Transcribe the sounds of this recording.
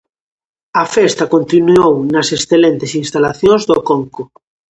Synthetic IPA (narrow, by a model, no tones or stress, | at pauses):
ɐfest̪akont̪inuownɐsesθelent̪ɪsinst̪alaθjõŋzðokoŋko